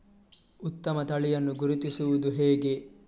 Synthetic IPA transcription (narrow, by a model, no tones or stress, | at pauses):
ut̪ːɐmɐt̪ɐɭijɐnːuɡuɾut̪isuʋud̪uɦɛːɡe̞